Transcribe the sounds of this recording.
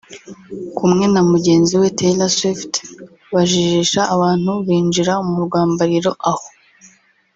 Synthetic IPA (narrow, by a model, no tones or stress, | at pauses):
kʰumŋe̞namuɟe̞ːnziwe̞tʰelaswift | βaʒiʒiʃaʔːβaːn̥huβiːnd͡ʒiɾaumuɾɡwaːmbaɾiɾo̞ʔaho